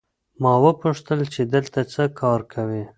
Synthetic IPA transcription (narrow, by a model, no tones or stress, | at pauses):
mɑwəpuʂt̪əlt͡ʃed̪əlt̪at͡səkʰɑɾkʰawi